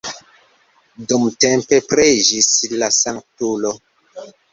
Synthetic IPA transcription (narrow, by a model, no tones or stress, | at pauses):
dumtempe̞pɾed͡ʒislasaŋktulo